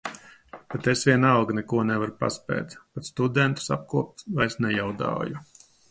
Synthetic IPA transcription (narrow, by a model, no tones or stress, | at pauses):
pet̪esvʲiɛnalɡnɛkuɔnɛvaɾpa̰spɛ̰ːt̪pat̪st̪ud̪ɛnt̪u̥sa̰p̚kuɔp̚t̪vajsnɛjawd̪a̰ːju